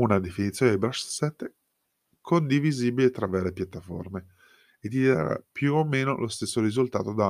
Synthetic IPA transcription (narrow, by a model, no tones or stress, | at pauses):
unad̪efinit̪sːjoːned̪ebɾaʃsɛt̪ːe | kʰond̪iviziːbilet̪ɾavɛːɾepjat̪ːafo̰rme | ed̪ːid̪aa̰ɾa̰pjuomeːnolost̪esːoɾizult̪a̰ːt̪od̪a